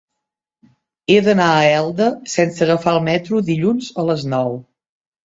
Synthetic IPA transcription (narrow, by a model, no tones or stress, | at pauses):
eðənaəɛlˠd̪əsɛnsəɣəfaəlˠmɛt̪ɾuðiʎunzələznɔw